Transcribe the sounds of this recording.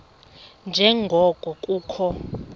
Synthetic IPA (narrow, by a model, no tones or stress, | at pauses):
nd͡ʒʱɛŋɡʱɔɡ̥ʱɔkʼuːkʰɔ